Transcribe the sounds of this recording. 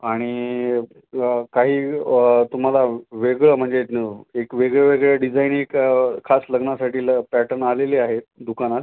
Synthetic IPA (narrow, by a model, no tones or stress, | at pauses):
aɽ̃i | kaɦiːt̪um̤alaʋeɡɭəm̤əɳd͡zeekʋeɡɭəʋeɡɭəɖid͡zainekkʰːasləɡnasaʈiːlpæʈəɾnaleliːaɦet̪d̪ukanat̪